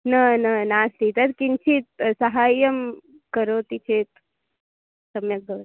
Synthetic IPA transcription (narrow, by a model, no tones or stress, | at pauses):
nɐnɐnaːst̪it̪ɐɾkint͡ʃʰit̪̚sɐɦaːjɐm | kəɾoːt̪it͡ʃʰeːt̪ | sɐmjɐk̚d̪ɐʋ